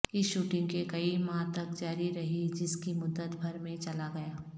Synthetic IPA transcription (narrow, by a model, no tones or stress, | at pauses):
ɪsʃuːʈɪ̃ŋɡkekɐimãːt̪ɐkd͡ʒaːɾiɾɐɦid͡ʒɪskimʊd̪ːət̪bʱɐɾmẽt͡ʃɐlaɡɐjaː